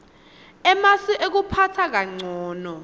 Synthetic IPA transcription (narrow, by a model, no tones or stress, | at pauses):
ɛmasiʔek̬upʰatʰak̬aŋ͡ǀʱɔːnɔ